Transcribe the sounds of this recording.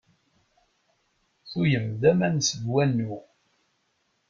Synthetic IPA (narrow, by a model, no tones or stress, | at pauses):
θujəmd̪æmænsəd̪wænːu